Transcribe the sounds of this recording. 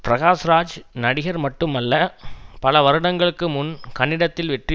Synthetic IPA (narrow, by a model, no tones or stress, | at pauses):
pɾɐɣaːsɾaːd͡ʒnɐɽɪɣɐɾmɐʈːɯmɐlːɐpɐlɐʋɐɾɯɽɐŋɡɐɭɯkːɯmʊnkɐɳːɪɽɐt̪ːɪlʋɛʈri